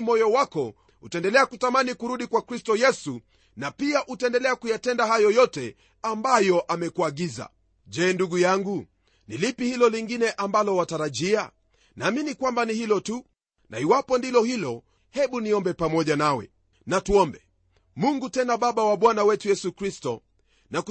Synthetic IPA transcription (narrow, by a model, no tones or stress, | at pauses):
mɔjɔwakɔ | hutaɛndɛlɛakutamanikuɾuɗikwakɾistɔjɛsu | napiaʔutaɛndɛlɛakujatɛndahajɔjɔtɛ | ambajɔʔamɛkuaɠiza̰ | ʄɛːnduɡujaŋɡu | nilipihilɔliŋɡinɛʔambalɔwataɾaʄia | naːminikwambanihilɔtu | nʔa̰iwapɔndilɔhilɔ | hɛɓuniɔmbɛpamɔʄanawɛ̰ | natuɔmbɛ | muŋɡutɛnaɓaɓawaɓwanawɛtujɛsukɾistɔ | nak